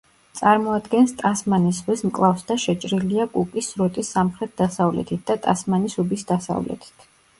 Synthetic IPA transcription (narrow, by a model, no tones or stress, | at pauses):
t̪sʼaɾmɔad̪ɡɛnst̪ʼasmanisʁwismkʼlˠafsd̪aʃɛt͡ʃʼɾiliakʼukʼisɾɔt̪ʼisːamχɾɛt̪̚d̪̥asavlɛ̰t̪ʰit̪̚ʰd̪at̪ʼasmanisubisd̪asa̰vlɛ̰t̪ʰi̥t̪ʰ